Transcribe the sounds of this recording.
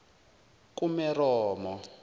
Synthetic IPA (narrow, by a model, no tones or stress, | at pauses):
kumɛrɔːmɔ